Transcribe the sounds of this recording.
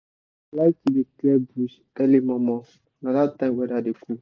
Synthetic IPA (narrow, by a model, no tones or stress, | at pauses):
laɪkideklɛbus | ɛlimɔ̃mɔ̃ | nãdatãmwɛdadeku